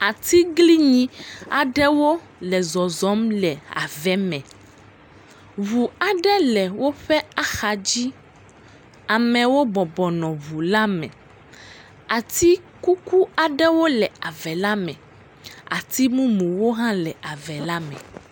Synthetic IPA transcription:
a˨t̪i˦ɡli˦ɲĩ˦a˨ɖɛ˦wo˦ | lɛ˨zɔ˨zɔ˨˦mlɛ˨a̰˨vɛ˨˦mɛ̃˨ | βu˨a˨ɖɛ˦lɛ˨wo˦ɸɛ˦a˦xa˨d͡ʑi˦ | a˨mɛ̃˨wo˦bɔ˨bɔ˨nɔ̃˨βu˨la˦mɛ̃˨ | a˨t̪i˦ | ku˦ku˦a˨ɖɛ˦wo˦lɛ˨a˨vɛ˨la˦mɛ̰̃˨ | a̰˨t̪i˦mũ˦mũ˨wo˦ɦã˦lɛ˨a˨vɛ˨la˦mɛ̰̃˨

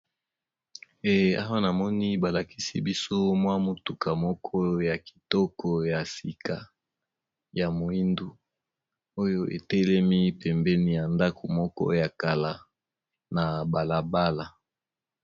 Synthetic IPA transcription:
e˨a̰˦wa˦na˨mɔ˦ni˦ba˨la˨ki̥˦si˦bi˦so˦mwa˦mo˨tu˨ka˨mɔ˦kʰɔ˦ja˨ki̥˨tɔ˦kʰɔ˨ja˨si˨ka˨ | ja˨mo˨i˦ndu˦ | o˦jo˦ʔe˨tɛ˦lɛ˦mi˦pɛ˨mbɛ˦ni˨ja˨nda˦kʰo˨mɔ˦kɔ̰˦ja˨ka˨la˨ | na˨ba˨la˨ba˦la˨

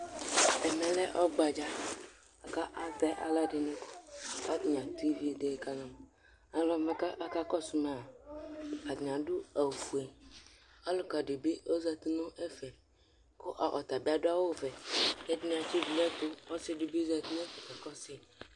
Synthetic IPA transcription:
ɛ˨mɛ̃˨lɛ˦ʔɔ˦ɡ͡ba˨d͡ʒa˦ | a˨ka˦ʔa˨t̪ɛ˦ʔa̰˨la˦ɖe˨nũ˦ko̥˦a˦t̪ɲ˨ã˨t̪u˦i˦vi˦e˨˦d̪e˦˨ka˦nã˨m˨ | a˨lɔ˨˦˨mẽ˨˦ka˦ʔa˦ka˦kɔ˦su˦mẽ˨a˨ | a˨d̪ɲ˨ã˨ɖu˦a˨vu˨e˨ | a˦lo˦ka˨ɖe˨be˦o˦za˦t̪u˦nõ˦ʔe˦fɛ˨ | ko˦ʔa̰˨ʔɔ̰˨t̪a˨bi˦a˦do˦a˦wo˦vɛ˨e˦dñ˦a˨t͡ʃi˦vi˨lɛ˦t̪o˦ɔ˦si˦ɖu˦bi˦za˦t̪i˦nõ˦fe˨kɛ˨kɔ˦sɪ˨

